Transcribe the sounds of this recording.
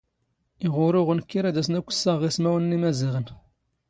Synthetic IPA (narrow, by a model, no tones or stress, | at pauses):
iʁʊɾʊʁənkːiɾæd̪æs̬nækʷːə̥sːəʁːismæwənːimæziʁən